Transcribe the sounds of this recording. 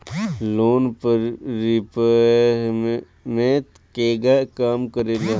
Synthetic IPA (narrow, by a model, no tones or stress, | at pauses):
loːnpəɾipə | mẽt̪ | keːɡakaːmkəɾeːla